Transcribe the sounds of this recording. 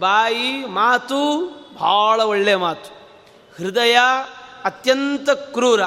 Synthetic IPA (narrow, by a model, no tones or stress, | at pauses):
baːjimaːt̪ubʱaːɭɐoɭːeɐmaːt̪u̥ | hɾɪd̪ɐjɐɐt̪jɐnt̪ɐkɾuːɾɐ